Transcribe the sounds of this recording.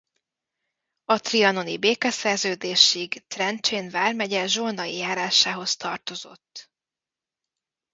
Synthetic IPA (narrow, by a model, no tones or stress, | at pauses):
ɒt̪riɒno̞nibeːkɛsɛrzøːd̪eːʃiɡt̪rɛnt͡ʃeːnvaːrmɛɟɛʒonɒijaːɾaːʃaːɦo̞st̪ɒrt̪o̞zo̞̰t̪ː